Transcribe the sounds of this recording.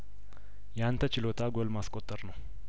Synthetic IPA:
jɛant̪ʰət͡ʃɪlot̪ʰaɡolmaskʼot̪ʼːəɾnəw

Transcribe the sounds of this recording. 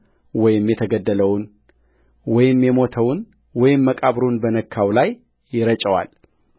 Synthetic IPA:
wɔjɪmjɛt̪ʰəɡəd̪ːələwn | wɔjɪmjɛmo̞t̪ʰəwn | wɔjɪmːəkʼaβɾunbənəkʰːawlajː | ɪɾət͡ʃʼəwa̰l

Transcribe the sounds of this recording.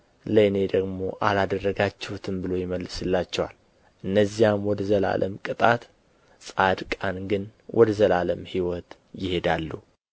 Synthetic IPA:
ləne̞d̪əɡmo̞ʔalad̪ərːəɡat͡ʃːɛhut̪ʰɨmbɨlo̞jɪməlːɨsɨlːat͡ʃːɛwa̰l | ʔɨnːəzːijamwɔd̪əzəla̰lʔəmkʼɨt̪ʼat̪ | sʼad̪kʼanɡɨnwʔɔd̪əzəlaləmhiwɔt̪ | jɪhe̞d̪alːu

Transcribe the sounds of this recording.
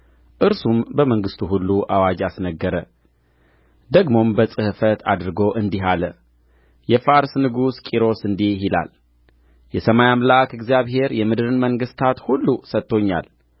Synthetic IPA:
ʔɨɾsumbəməŋɡɨst̪ʰuɦulːuʔawad͡ʒasnəɡːəɾə | d̪əɡmo̞mbəsʼɨhɨfət̪ʰad̪ɾɨɡo̞ʔɨnd̪iɦalə | jɛfaɾsnɨɡuskʼiɾo̞sɨnd̪ihɦila̰l | jɛsəmajamlakɨɡzijaβɦe̞ɾjɛmɨd̪ɨɾɨnməŋɡɨst̪ʰat̪hulːusət̪ːo̞ɲːa̰l

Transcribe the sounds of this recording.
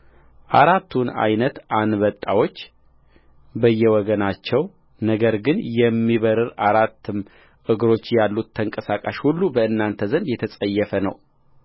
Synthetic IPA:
ʔaɾat̪ʰːuna̰jnət̪ʔanβət̪ʼːawo̞t͡ʃː | bəjːɛwɔɡənat͡ʃːɛw | nəɡəɾɡɨnjɛmːiβəɾɨɾaɾat̪ːɨm | ʔɨɡɾo̞t͡ʃːjalːut̪ʰːəŋkʼəsakʼaʃhulːubəɨnːant̪ʰəzənd̪jɛt̪ʰəsʼəjːɛfənə̰w

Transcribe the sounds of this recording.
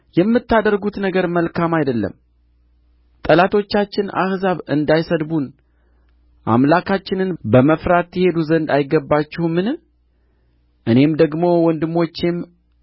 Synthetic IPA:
jɛmːɨt̪ːad̪əɾɡut̪nəɡəɾməlkʰamajd̪əlːə̰m | t̪ʼəlat̪ʰo̞t͡ʃːat͡ʃːɪna̰hzaβɨnd̪ajsəd̪bun | ʔa̰mlakʰat͡ʃːɪnɨnbəməfɾat̪jɛhe̞d̪uzənd̪ajɪɡəbːat͡ʃːɪhumɨn | ʔɨne̞md̪əɡmo̞wɔnd̪ɨmːo̞t͡ʃːem

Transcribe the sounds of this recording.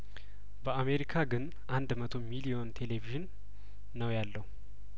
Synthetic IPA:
bəame̞ɾikʰaɡɨn | ʔand̪mət̪ʰo̞milijo̞nt̪ʰe̞le̞viʒɨnː | əwjalːəhu

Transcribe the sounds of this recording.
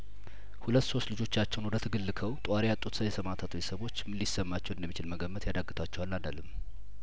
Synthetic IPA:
hulət̪ːso̞st̪lɨd͡ʒo̞t͡ʃːat͡ʃːɛwnwɔd̪ət̪ʰɨɡɨlːɨkʰəwt̪ʼwaɾejat̪ʼːut̪səwjɛsəmat̪ʰat̪bet̪səβo̞t͡ʃːmɨlːisːəmːat͡ʃːɛwɨnd̪əmːit͡ʃɪlməɡəmːət̪jad̪aɡːɨt̪ʰat͡ʃːɛwalːanə̰lɨmː

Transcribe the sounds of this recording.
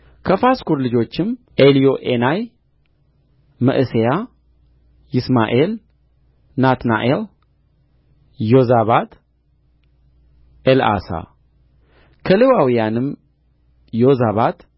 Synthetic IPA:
kʰəfaskuɾlɨd͡ʒo̞t͡ʃːɪm | ʔelijo̞ʔenaj | mə̰ʔɨseja | jɪsma̰ʔel | nat̪na̰ʔel | jo̞zaβat̪ | ʔela̰sa̰ | kʰəlewawijanɨm | jo̞zaβat̪

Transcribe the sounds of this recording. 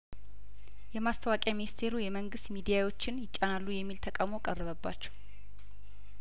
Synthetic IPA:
jɛmast̪ʰəwakʼjaminist̪ʰe̞ɾujɛməŋɡɨst̪mid̪ijawo̞t͡ʃːɪnjɪt͡ʃʼːanalːujɛmːilt̪ʰəkʼawmo̞kʼərːəβəbːa̰t͡ʃːɛ̥w

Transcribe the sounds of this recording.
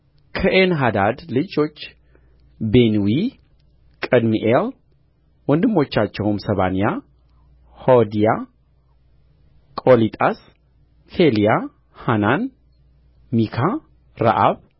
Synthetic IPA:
kʰəʔenɦad̪ad̪lɨd͡ʒo̞t͡ʃː | benwi | kʼəd̪miʔel | wɔnd̪ɨmːo̞t͡ʃːat͡ʃːɛwmsɐβa̰nija | hod̪ija | kʼolit̪ʼas | felija | hanan | mikʰa | ɾa̰ʔa̰β

